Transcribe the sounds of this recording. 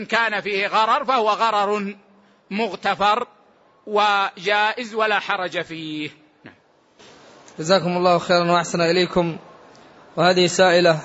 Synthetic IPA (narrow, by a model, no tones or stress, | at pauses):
nkaːnafiːhɣɑɾˤɑɾˤfahʊwaɣɑɾˤɑɾˤ | mʊɣt̪afɑɾˤ | wad͡ʒaːʔɪzwalaːħɑɾˤɑd͡ʒafiːh | naʕm | d͡ʒazaːkʊmɑlˤːɑːhxeːɾˤɑnwaʔaħsanʔɪlaːkʊm | wɪhaːðɪhɪsaːʔɪla